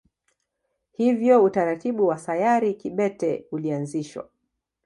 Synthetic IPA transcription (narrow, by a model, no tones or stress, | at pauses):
hivjɔutaɾatiɓuwasajaɾikiɓɛtɛulianziʃwa̰